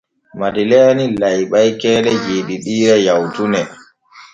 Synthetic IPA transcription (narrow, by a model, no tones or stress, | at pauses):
madilɛːnilajɓajkɛːlɛd͡ʒeːɗiɗiːɾɛjawtunɛ